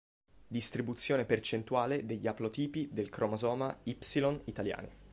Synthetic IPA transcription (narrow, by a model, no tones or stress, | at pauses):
d̪ist̪ɾibut̪sːjoːnepert͡ʃent̪uaːled̪eʎːaplot̪iːpid̪elkɾomozɔːmaipsilonit̪alja̰ːnḭ